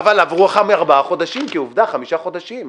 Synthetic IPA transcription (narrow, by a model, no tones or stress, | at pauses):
valavʁuaχameaʁbaaχo̞d̪aʃimkeuvd̪aχamiʃaχo̞d̪aʃim